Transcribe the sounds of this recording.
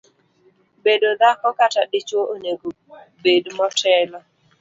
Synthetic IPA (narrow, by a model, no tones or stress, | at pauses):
bedod̪akɔkataɗɪt͡ʃoʔoneɡu | bedmɔtɛlɔ